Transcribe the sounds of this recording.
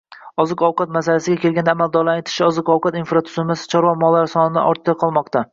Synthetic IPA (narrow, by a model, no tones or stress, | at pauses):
ɒzɨkɒwqʰɑt̪masalasɪɡʲakʲʰe̞lˠɡʲand̪aːmald̪ɒɾlˠat̪ʰɪ̥ʃɪɒzɨkɒwqʰɑt̪infɾat̪ʰʊ̥sʊmasɪ̥t͡ʃʰɒɾwɒmɒlˠːaɾsɒnɪd̪a̰ʔɒɾt̪ʰd̪aqʰɒlˠmɒqt̪ʰa